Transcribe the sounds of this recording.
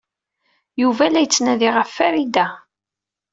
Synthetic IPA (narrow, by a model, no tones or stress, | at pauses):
juvælæjət͡sːnæðiʁəfːæɾid̪æ